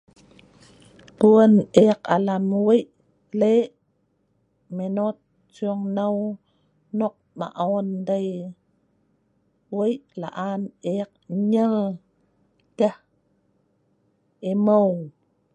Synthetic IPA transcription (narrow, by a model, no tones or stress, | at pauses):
puəneqa̰lamwejʔ | leʔ | menot̪̚ | t͡ʃjoŋnaw | noq̚ma̰ʔondaj | wejʔla̰ʔaːneq̚ɲəŋ | tah | emow